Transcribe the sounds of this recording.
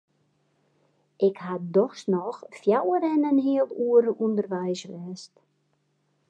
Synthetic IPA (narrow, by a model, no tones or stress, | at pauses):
ʔɪkhadɔxsnɔxfjawəɾɛnənɦiəlˠuəɾəʔundərʋɛjsʋɛːst